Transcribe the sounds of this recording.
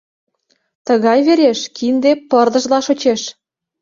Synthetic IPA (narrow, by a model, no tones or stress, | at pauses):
t̪ə̆ɣɑjβeɾeʃkind̪epɤ̆rd̪ə̆ʒlɑʃot͡ɕeʃ